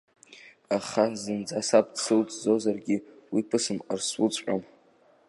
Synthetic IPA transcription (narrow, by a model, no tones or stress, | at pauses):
aχazɨnd͡zasap̚ʰʼdsɨwt͡sʼd͡zo̞zarɡʲiwipʰɨsɨmarswut͡sʼqʷʼam